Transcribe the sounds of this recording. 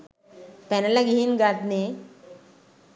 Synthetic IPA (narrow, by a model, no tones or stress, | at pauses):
pɛnɐlaɡiɦinɡat̪ne